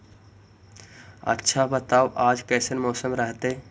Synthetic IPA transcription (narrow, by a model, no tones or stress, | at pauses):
ə̰tːʃʰabət̪awʔad͡ʒkɛsənmoːsəmɾəɦt̪e